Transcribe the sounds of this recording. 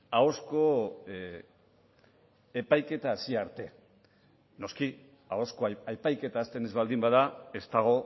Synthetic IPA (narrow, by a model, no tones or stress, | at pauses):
ao̞sko̞ | epajke̞t̪aːsiaɾt̪e̞ | no̞ski | ao̞sko̞ajpajke̞t̪aːst̪e̞nezβald̪imbaðae̞st̪aɣ̞o̞